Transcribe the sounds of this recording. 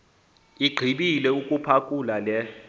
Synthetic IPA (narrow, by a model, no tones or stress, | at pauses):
iɡ͡ǃʱiɓilɛukʼupʰakʼulalɛ